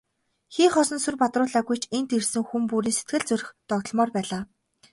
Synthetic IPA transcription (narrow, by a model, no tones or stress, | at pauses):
xiːχɔsɞ̆nsurpat̪rʊːɮaːɣujt͡ɕʰent̪irsɘ̆ŋxumpuːɾiːnse̥t̪̚ɡɘ̆ɮt͡sɵɾɘ̆xt̪ɔkt̪ɞ̆ɮmɔːrpæːɮaː